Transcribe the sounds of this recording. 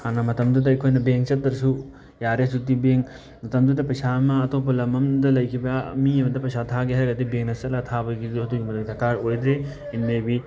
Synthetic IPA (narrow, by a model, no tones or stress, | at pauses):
hanɐmɐtɐmd̪udɐːjkʰojnɐbeŋt͡ʃɐt̚dɐɾsu | jaɾesutibeŋ | mɐtɐmd̪udɐpɐjsamɐːtopʰɐlɐmɐmdɐlɐjkʰibɐmiɐmɐdɐpɐjsat̪ʰaɡiɦɐɾɐɡɐdibeŋnɐsɐlat̪ʰabɐɡiduɦɐduɡimɐdot̪ʰɐkaɾojd̪ɾe | inmebi